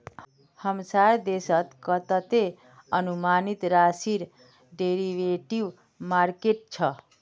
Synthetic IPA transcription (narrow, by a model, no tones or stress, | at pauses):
həmsaɾd̪esət̪kət̪ət̪e | ənumanit̪ɾasiɾ | ɖeɾiʋeʈiʋ | maɾkeʈ̚t͡ʃʰʌ